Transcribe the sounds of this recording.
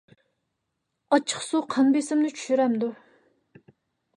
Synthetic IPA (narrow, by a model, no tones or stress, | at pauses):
ɑt͡ʃʰːə̥χsuqʰɑnbesɪmnɪt͡ʃʰy̥ʃyɾɛmd̪u